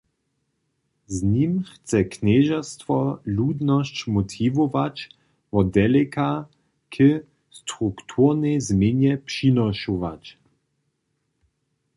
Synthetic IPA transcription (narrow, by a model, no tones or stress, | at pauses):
znimxt͡sɛknɛːʒast̪ʋɔluːd̪nɔʃt͡ʃmɔt̪ʰivoʋat͡ʃ | vɔd̪ɛlɛkʰa | kʰə | st̪ʁukt̪ʰuʁnɛzmenjɛpʃinɔʃoʋa̰t͡ʃ